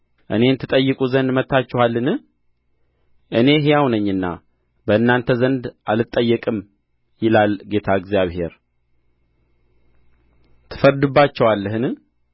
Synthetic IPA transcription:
ʔɨ̰ne̞nt̪ʰɨt̪ʼəjːɨkʼuzənd̪mət̪ːat͡ʃːɛwalːɨnɨ | ʔɨne̞ɦejawnəɲːɨnːa̰ | bəɨnːant̪ʰəzənd̪ʔalɨt̪ʼːəjːɛkʼɨm | jɪlalɡe̞t̪ʰaɨɡzijaβhe̞̰ɾ | t̪ʰɨ̥fəɾd̪ɨbːat͡ʃːɛwalːəɦɨnɨ

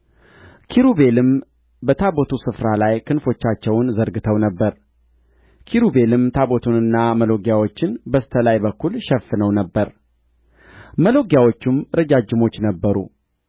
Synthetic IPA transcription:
kʰiɾube̞lɨm | bət̪ʰabo̞t̪ʰusɨfɾalajkʰɨnfo̞t͡ʃːat͡ʃːɛwnzəɾɡɨt̪ʰəwnəbːəɾ | kʰiɾube̞lɨmt̪ʰabo̞t̪ʰunɨnːaməlo̞ɡjawo̞t͡ʃːɪnbəst̪ʰəlajbəkːulʃɛfːɨnəwnəbːəɾ | məlo̞ɡjawo̞t͡ʃːɪmɾəd͡ʒad͡ʒːɪmo̞t͡ʃːnəbːəɾṵ

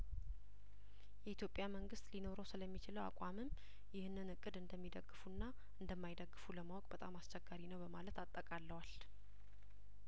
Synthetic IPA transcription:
jɛit̪ʰjo̞pʼːjaməŋɡɨst̪lino̞ɾosɨləmːit͡ʃɪləwa̰kʷʼamɨm | jɪhnɨnɨkʼːɨd̪ɨnd̪əmːid̪əɡːɨfunːa | ʔɨnd̪əmːajd̪əɡːɨfuləmawɔkʼbət̪ʼamast͡ʃɛɡːaɾinəwbəmalət̪at̪ʼːəkʼalːəwal

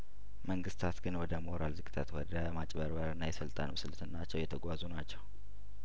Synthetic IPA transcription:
məŋɡɨst̪ʰat̪ɡɨnwɔd̪əmo̞ɾalzɨkʼɨt̪ʰat̪wɔd̪əmat͡ʃʼbəɾbaɾɨnːajɛsəlt̪ʼanəwsɨlt̪ʰɨnːat͡ʃːɛwjɛt̪ʰəɡʷazunat͡ʃːɛw

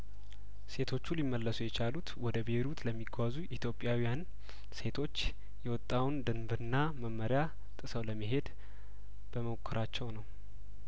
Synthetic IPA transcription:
se̞t̪ʰo̞t͡ʃːulimːəlːəsujɛt͡ʃalut̪wɔd̪əbeɾut̪ʰləmːiɡazuʔit̪ʰjo̞pʼːjawijan | se̞t̪ʰo̞t͡ʃː | jɛwɔt̪ʼːawnd̪ɨnbɨɾɨnːaməmːəɾja | t̪ʼɨsəwləmːiɦe̞d̪ | b̥əməkʰːɨɾat͡ʃːɛwnəw

